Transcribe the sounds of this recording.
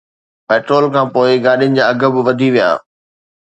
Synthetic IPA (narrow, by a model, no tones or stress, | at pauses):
pɛːʈɾoːlkʰãːpoːɪɡaːɗijʊnɪ̆d͡ʑaːɐɡʱə̆bɪʋɐd̪ʱiʋija̰ː